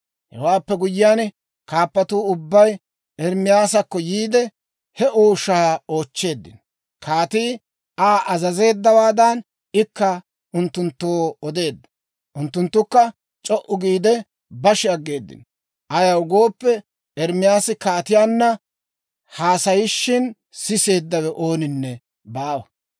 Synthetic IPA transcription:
hɛ̰waːpːɛɡʊjːɪjaːn | kaːpːɐt̪uːʊbːɐj | ʔɛɾmɪjaːsɐkːɔjiːd̪ɛ | hɛʔoːʃaːo̞ːt͡ʃːe̞ːd̪ːɪ̰n | kʰaːt̪iː | ʔaːʔɐzɐze̞ːd̪ːɐwaːd̪ɐn | ɪkːa | ʔʊnt̪ːʊnt̪ːoːɔd̪e̞ːd̪ːɐ̥ | ʔʊnt̪ːʊnt̪ːʊkːɐ | t͡ʃʼɔʔʊɡiːd̪ɛ | bɐʃɪɐɡːe̞ːd̪ːɪ̰n | ʔɐjɐʊɡo̞ːpːɛ | ʔɛɾmɪjaːsɪkaːt̪ɪjaːnːɐ | haːsɐjɪʃːɪn | sɪse̞ːd̪ːɐwɛʔoːnɪnːɛ | baːwɐ

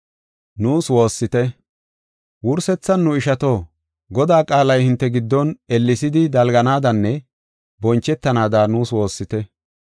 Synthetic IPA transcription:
nuːswo̞ːsːɪt̪ɛ | wʊɾsɛt͡sːɐnːʊɪʃɐt̪o̞ː | ɡɔd̪aːkʼaːlɐjhɪnt̪ːɛɡɪd̪ːɔnɛlːɪsɪd̪ɪd̪ɐlɡɐnaːd̪ɐnːɛ | bɔnt͡ʃːɛt̪ːɐnaːd̪aːnuːswo̞ːsːɪt̪ɛ

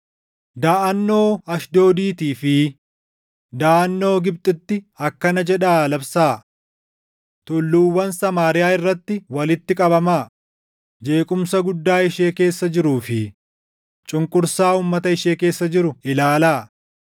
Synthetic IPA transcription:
d̪aːʔɐnːo̞ːɐʃd̪o̞ːd̪iːt̪iːfɪ | d̪aːʔɐnːo̞ːɡɪb̚t̪ʼɪt̪ːɪ | ɐkːɐnɐd͡ʒɛᶑaːlɐbsaː | t̪ʊlːuːwːɐnsɐmaːɾɪjaːɪrːɐt̪ːɪwɐlɪt̪ːɪkʼɐbɐmaː | d͡ʒe̞ːkʼʊmsɐɡʊd̪ːaːɪʃe̞ːke̞ːsːɐd͡ʒɪɾuːfɪ | t͡ʃʼʊŋkʼʊɾsaːuːmːɐt̪ɐɪʃeːke̞ːsːɐd͡ʒɪɾʊɪlaːlaː

